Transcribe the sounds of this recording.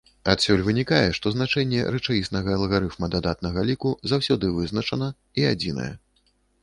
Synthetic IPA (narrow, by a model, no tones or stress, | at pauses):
at̪sʲɔlʲvɨnʲikajɛʂt̪ɔznat͡ʂɛnʲːɛ̰ɾɛt͡ʂajistnɐɣɐɐlˠɣaɾɨfmɐd̪ad̪at̪nɐɣɐlʲikuzawsʲɔd̪ɨvɨznɐt͡ʂɐnɐ | iad͡zʲinɐ̰jɛ̰